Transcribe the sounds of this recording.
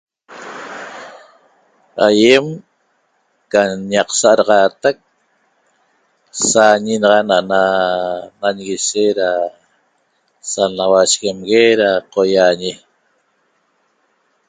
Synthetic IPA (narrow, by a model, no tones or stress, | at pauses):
ajem | kaɲɑqsaʔaɾɑʁɑːt̪ak̚ | saɲinɑʁɑnaʔna | naɲɣiseɾa | sanawaʃɣemɣeɾaqojaɲi